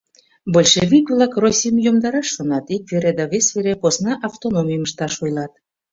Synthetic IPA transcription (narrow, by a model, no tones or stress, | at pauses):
bolʲʃevʲikβlˠɑkrosʲijəmjomd̪ɑɾɑʃːonɑt̪ik̚veɾed̪ɑβesveɾeposnɑʔɑft̪onomʲijəməʃt̪ɑʃojlɑt̪̚